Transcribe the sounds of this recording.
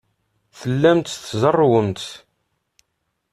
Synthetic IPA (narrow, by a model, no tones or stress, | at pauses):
θəlːæmt̪θzərˤːwəmt̪